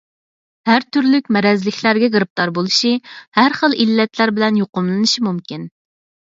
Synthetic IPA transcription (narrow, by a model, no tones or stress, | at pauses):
hæɾt̪ʰyɾlykʲmɛɾɛzlɪkʲʰlæɾɡʲɛɡɾɨp̚t̪ɑɾbolˠuʃihæɾχəlˠʔilːɛt̪læɾbɪlɛnjoqʊmlˠɨnɨʃimumkʲin